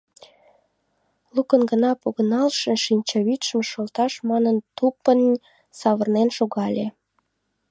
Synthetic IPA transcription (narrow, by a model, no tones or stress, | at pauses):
lukənɡənɑpoɣənɑlʃə̆ʃinʲt͡ɕɑβit̪ʃəmʃolt̪ɑʃmɑnənt̪upən | sɑβərnenʃoɣɑlʲe